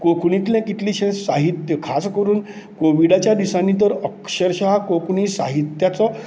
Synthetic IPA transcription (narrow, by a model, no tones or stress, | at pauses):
kokɳ̃it̪ljãkit̪liːɕẽsaɦit̪jəkʰaskəɾuːn | koʋiɽat͡ɕjad̪isanːit̪̬əɾəkɕəɾɕɦakokɳiːsa̰ɦit̪jat͡sɔ